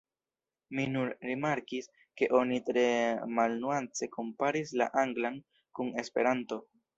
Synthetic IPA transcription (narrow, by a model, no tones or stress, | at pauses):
minunɾimaɾkis | ke̞ʔo̞nitɾe̞malnuant͡se̞kʰo̞mpaɾisla̰ʔaŋɡlan | kune̞spe̞ɾanto̞